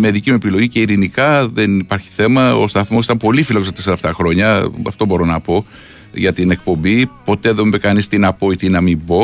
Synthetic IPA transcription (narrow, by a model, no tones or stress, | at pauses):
meðicimue̞pilo̞ʝice̞iɾinikɐðe̞nipɐɾçi̥θe̞mɐo̰st̪ɐθmo̞sit̪ɐmpo̞lifiloos̬ɐt̪eseɾɐeft̪ɐxɾo̞ɲɐɐ̰ft̪o̞bo̞ɾo̞nɐpo̞ | ʝɐt̪ine̞k̚po̞mbipo̞t̪e̞ðemekɐnist̪inɐpo̞it̪inɐmibo̞